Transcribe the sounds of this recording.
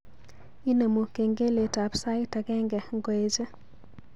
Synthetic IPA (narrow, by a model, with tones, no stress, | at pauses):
i˦ne˨mo˨ke˨ŋɡe˦le˨ta˨psa˦ɪta˨kɛ˦ŋɡɛ˨ŋɡwe˦d͡ʒe˦